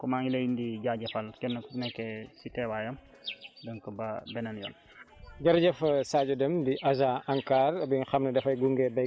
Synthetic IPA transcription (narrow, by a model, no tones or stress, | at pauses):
kɔmaːŋilɐjindiɟaɟɐfɐlkɛnːɐkunɛkːɛsitɛwajɐm | dɐŋkəbɐbɛnɐnjɔ̰ːl | ɟɐɾɟɐfɐsaːɟɔdɛmdiʔɐzaɐŋkaːrbinxɐmnɐdɛfɐjɡuŋɡɛbɐ